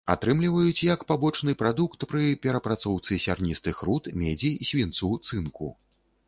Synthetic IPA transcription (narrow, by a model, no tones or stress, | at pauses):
a̰t̪ɾɨmlʲivɐjut͡sʲjɐkpabɔt͡ʂnɨpɾad̪ukt̪pɾɨpʲɛɾɐpɾat̪sɔwt̪sɨsʲarnʲist̪ɨxɾut̪mʲɛd͡zʲisʲvʲint̪sut̪sɨnkṵ